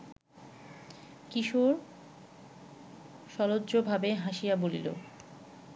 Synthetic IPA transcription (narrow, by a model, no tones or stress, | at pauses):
kiʃoɾ | ʃɔlodʑobʱabeɦaʃijabolḭlo̰